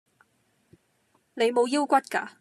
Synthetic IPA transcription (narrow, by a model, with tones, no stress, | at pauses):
ne˨˧jmo˨˧wjiː˥wkʷɐ˥t̚kaː˧